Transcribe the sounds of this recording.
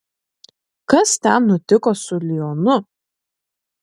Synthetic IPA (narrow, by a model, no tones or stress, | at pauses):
kɐst̪ʲɛnnʊt̪ʲɪkoːsʊlʲɪjonʊ